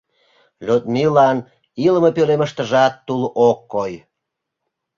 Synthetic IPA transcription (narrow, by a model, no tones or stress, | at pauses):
lʲut̪̚milɑn | iləməpøleməʃt̪əʒɑt̪ːulʔokːoj